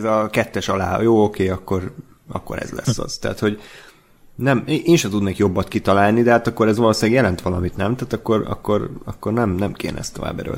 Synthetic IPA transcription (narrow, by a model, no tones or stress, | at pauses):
ɛzɒkɛt̪ːɛʃɒla̰ːjoːokeːɒkːo̞r | ɒ̰kːo̞̰ɾɛ̰zlɛ̰sːɒ̰z̥t̪ɛ̰ːt̪ho̞ɟ | nɛmeʔeːnʃɛt̪ud̪neːkjo̞bːɒt̪kit̪ɒlaːlnid̪ɛɦaːt̪ɒkːo̞ɾɛzʋɒloːsilaɡjɛlɛnt̪ʋɒlɒmit̪nɛmt̪aːt̪ɒkːo̞ɾɒ̰kːo̞ɾɒkːo̞rnɛmnɛmkḛːnɛ̰ɛ̰st̪o̞va̰ːbɛ̰ɾø̰